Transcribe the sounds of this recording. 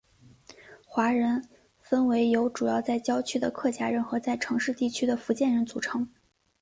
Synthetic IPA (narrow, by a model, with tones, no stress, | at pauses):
xwa˧˥ɻə˧˥n | fə˥nwe˧˥ɪjo˧˥ʊʈ͡ʂu˨˩jɑ˥˧ʊt͡sa˥˩ɪt͡ɕjɑ˥ʊt͡ɕʰy˥˩d̪ə̰˨kʰɤ˥˩t͡ɕja˥ɻə˥˧˥nxɤ˧˥t͡sa˥˩ɪʈ͡ʂʰɤ˧˥ŋʂɻ̩˥˧t̪i˥˩t͡ɕʰy˥d̪ə˨fu˧˥t͡ɕjɛ˥˩nɻə˧˥nt͡su˨˩ʈ͡ʂʰɤ˧˥ŋ